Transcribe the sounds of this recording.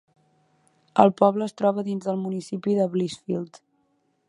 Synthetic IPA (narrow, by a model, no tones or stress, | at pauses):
ə̰lˠpɔβləːst̪ɾɔβəðinzðəlˠmunisipiðəβlisfilˠt̪